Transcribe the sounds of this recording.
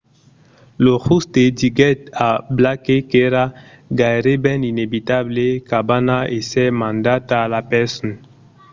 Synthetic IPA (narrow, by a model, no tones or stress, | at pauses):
lohust̪ediɡɛt̪ablakekeɾa | ɡaeɾebɛ̃ninebit̪ablekabanaʔesɛmãnd̪at̪aːlapɛsɔn